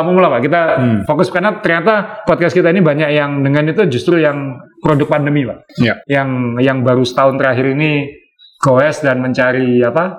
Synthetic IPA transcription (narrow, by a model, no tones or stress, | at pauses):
amumulapaʔkit̪afokʊskarnat̪ərɲat̪apɔd̪̚kaskit̪ainibaɲakjaŋdəŋanit̪ud͡ʒust̪ɾujaŋpɾodʊk̚pandəmipaʔjaŋjaŋbaɾusə̥t̪aʊnt̪əɾaɦɪɾini | kowɛsdanməɲt͡ʃaɾiapa